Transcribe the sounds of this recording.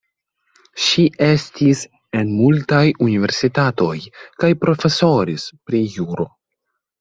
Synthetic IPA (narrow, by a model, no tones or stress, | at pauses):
ʃie̞stis | e̞nmultajunive̞̰ɾsitato̞jkajpɾo̞fe̞so̞ɾispɾijuɾo̞